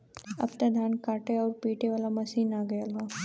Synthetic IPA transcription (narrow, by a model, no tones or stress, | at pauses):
ɐ̰bt̪ad̪ʱaːnkaːʈeɔːɾpiːʈeʋaːlamɐsiːnaːɡɐjalaː